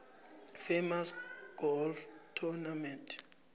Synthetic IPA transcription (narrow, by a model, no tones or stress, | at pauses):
femasɡ̥ɔlftʰunamɛntʰ